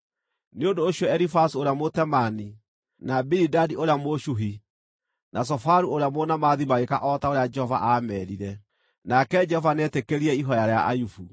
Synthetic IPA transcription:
neondoːɕijɔɛɾifasuoɾeamotɛmani | nabiɾidadioɾeamoʃuɦi | nʔas̬ɔfaɾuoɾejamɔnamaðimaɣekaʔɔtaoɾead͡ʒɛhɔva̰ʔamɛɾiɾɛ | nakɛd͡ʒɛhɔvanɛtekeɾiɛiɦɔjaɾea̰ʔa̰jufu

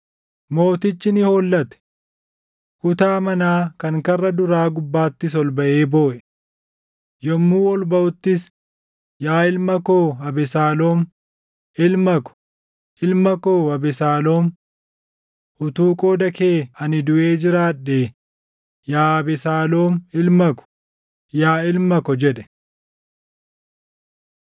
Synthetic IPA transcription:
mo̞ːt̪ɪt͡ʃːɪnɪhoːlːɐt̪ɛ̥ | kʊt̪aːmɐnaːkɐŋkɐrːɐd̪ʊɾaːɡʊbːaːt̪ːɪs̬ɔlbɐʔeːbo̞ːʔɛ̥ | jɔmːuːɔlbɐʔʊt̪ːɪs | jaːɪlmɐkoːɐbɛsaːloːm | ʔɪlmɐkɔ̥ | ʔɪlmɐkoːɐbɛsaːlo̞ːm | ʔʊt̪uːkʼo̞ːd̪ɐkeːɐnɪd̪ʊʔe̞ːd͡ʒɪɾaːᶑːeː | jaːɐbɛsaːlo̞ːmɪlmɐkɔ̥ | jaːɪlmɐkɔd͡ʒɛᶑɛ̥

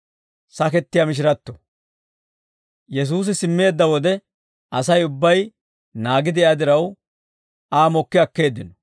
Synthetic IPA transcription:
sɐkɛt̪ːɪjamɪʃ̬ɪɾɐt̪ːɔ | jɛs̬uːs̬ɪsɪmːe̞ːd̪ːɐwɔd̪ɛ | ʔɐsɐjʊbːɐj | naːɡɪd̪ɪɛɐd̪ɪɾɐw | ʔaːmɔkːɪɐkːe̞ːd̪ːɪnɔ̥

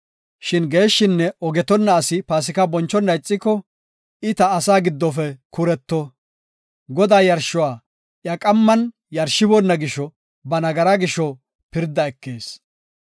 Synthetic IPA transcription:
ʃɪnɡe̞ːʃːɪnːɛɔɡɛt̪ɔnːɐːsɪpaːs̬ɪkɐbɔnt͡ʃːɔnːɐɪt͡sʼːɪkːɔ | ɪt̪ɐːsaːɡɪd̪ːɔfɛkʊɾɛt̪ːɔ | ɡɔd̪aːjɐɾʃʊwaː | ʔjɐkʼɐmːɐn | jɐɾʃːɪbɔnːɐɡɪʃɔ | bɐnɐɡɐɾɐɡɪʃɔ | pɪɾd̪ːɐɛkːe̞ːs

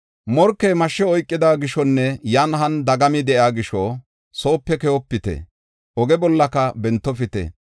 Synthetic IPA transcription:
mɔɾkːemɐʃːɛɔjkʼːɪd̪aːɡɪʃɔnːɛjɐnɦɐnd̪ɐɡɐmɪd̪ɛʔjaːɡɪʃɔ | so̞ːpːɛkɛhɔpːɪt̪ɛ̰ | ʔɔɡɛbɔlːɐkɐbɛnt̪ːɔfɪt̪ɛ̰

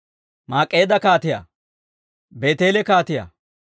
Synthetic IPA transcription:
maːkʼːe̞ːd̪ɐkaːt̪ɪja̰ː | be̞ːt̪e̞ːlɛkaːt̪ɪja̰

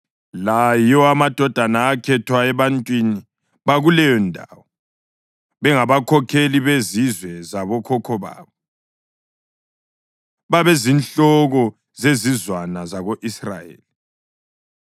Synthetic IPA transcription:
lajɔamad̥ʱɔd̥ʱanaːkʰɛtʰwaɛβantʼwini | βaɣulɛjɔndʱa̰ːwɔ | βɛŋaβakʰɔkʰeliβezizwɛzaβɔkʰɔkʰɔβa̰ːβɔ | βaβezinɬɔɣɔ | zezizwanazaɣoʔisra̰jḛːli

